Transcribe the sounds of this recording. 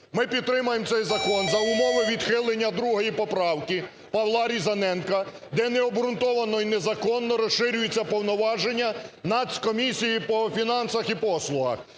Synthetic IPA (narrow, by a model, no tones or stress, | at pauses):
mɪpʲidt̪t̪ːɾɪmʊjemt̪ɛjzɐkɔnzɐʊmɔʋɪʋʲid̪xɪlˠenʲːɐd̪ɾuɦɔjipɔpɾɑwkɪ | pɐʋlˠɑɾʲizɐnɛnkɐ | d̪ɛnɛɔbɾʊnt̪ɔʋɐnɔjinɛzɐkɔnːɔɾɔsʃɪɾʲʊjet͡sʲːɐpɔwnɔʋɑʒenʲːɐnɑsʲkɔmʲisʲijipɔfʲinɑnsɐxipɔslˠʊɦɐ̰x